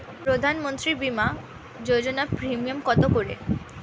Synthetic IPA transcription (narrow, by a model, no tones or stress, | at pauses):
pɾod̪ʱanmont̪ɾibima | d͡ʑod͡ʑonapɾimiomkɔt̪okoɾḛ